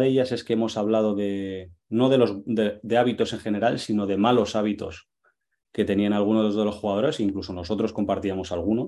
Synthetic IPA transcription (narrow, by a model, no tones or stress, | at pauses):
ðe̞ʝase̞ske̞e̞mo̞saβ̞lað̞o̞ðe̞no̞ðe̞lo̞zd̪ed̪e̞aβit̪o̞se̞ŋχe̞ne̞ɾalsino̞ðe̞malo̞saβ̞it̪o̞̰s | ke̞t̪e̞nianalɣ̞unoðo̞zðelo̞sxuɣað̞o̞ɾe̞siːŋkluso̞no̞so̞t̪ɾo̞sko̞mpaɾt̪iamo̞salɣ̞uno̞